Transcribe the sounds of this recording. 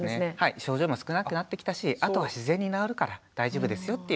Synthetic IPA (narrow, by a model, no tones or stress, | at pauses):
enehaiɕo̞ːʑo̞ːimosɨ̥kɯnakkɯnat̪ːe̞kʲi̥t̪aɕiʔat̪o̞βaɕizẽ̞ɲ̟ːinaoɾɯ̟kaɾad̪̥aiʑo̞ːbɯ̟d̪e̞sɨjo̞t̪ːe̞j